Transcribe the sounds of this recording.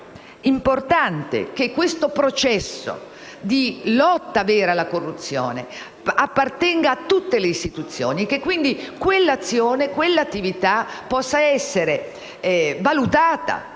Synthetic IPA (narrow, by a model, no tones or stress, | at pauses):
import̪ant̪ḛk̟ekːwest̪opɾot͡ʃɛsːo̰ | d̪ilɔt̪ːavɛːɾalːakorːut̪sːjo̰ːnḛ | apːart̪ɛŋɡaːt̪ːut̪ːeleist̪it̪ut̪sːjo̰ːnikekːwind̪ikwelːat̪sːjoːnekwelːat̪ːivit̪apːɔsːaɛsːeɾe | valut̪aːt̪a̰